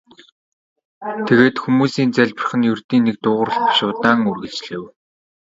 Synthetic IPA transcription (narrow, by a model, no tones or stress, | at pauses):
t̪ʰeɣeːt̪xumuːsiːnt͡sæɮʲpə̆r̆χɘ̆njɵrt̪iːnːek̚t̪ʊːʁə̆rə̆ɮpḁʃʊːt̪aːŋɵrɣɘ̆ɮt͡ɕɮĕːw